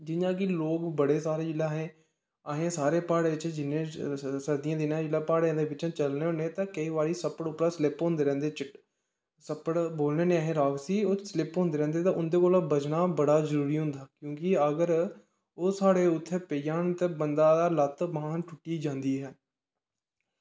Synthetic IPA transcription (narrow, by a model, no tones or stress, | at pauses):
d͡ʒɪɲãːk̬ɪloːkbəɽeːsaːɾeːd͡ʒɪlaːɦẽː | aːɦẽːsaːɾeːpaːɽeːt͡ʃd͡ʒɪnːẽːsəɾd̪ijãːd̪ɪnãːd͡ʒɪlaːpaːɽẽːd̪eːbɪt͡ʃãːt͡ʃəlneːɦoːneːt̪ãːkəiːʋaːɾiːsəpəɽʊpɾaːslɪpɦõnd̪eːɾɛ̃ːnd̪eːt͡ʃɪʈ | səpəɽboːlneːneːaːɦẽːɾaːksiːoːslɪpɦõːnd̪eːɾɛ̃ːnd̪eːt̪ãːʊnd̪eːkoːlaːbəd͡ʒnaːbəɽaːzəɾuːɾiːɦʊ̃nd̪aːkjõːkɪəɡəɾ | oːsaːɽeːʊt̪ʰːeːpejaːnt̪ebənd̪aːd̪aːlət̪baãːnʈʰʊʈːiːd͡ʒãːnd̪iːɦɛː